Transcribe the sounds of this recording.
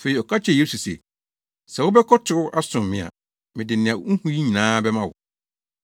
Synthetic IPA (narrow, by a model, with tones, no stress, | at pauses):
fe˨i˨ɔ˨kʰa˦t͡ɕʰɛ˨je˦su˨sɛ̰˨ | sɛ̃˨wʊ˦bɛ˦kʰɔ˦tʰɪ˨ɾʊ˦ʔa˦sʊ̃˨mmɪ̃˨a̰˨ | mɪ̃˨dɪ˨nɪ̃˨a˨˦ŋ̩˦hũ˦ji˦ɲĩ˨nãː˦bɛ˦mã˦wʊ̰˨